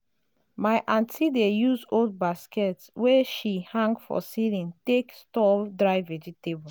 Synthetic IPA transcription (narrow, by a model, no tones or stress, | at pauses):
maɪʔãntʰidejuzold̚baskɛtswɛʃihãŋɡfɔ̰silĩntekstɔdɹaɪvɛd͡ʒitebɔ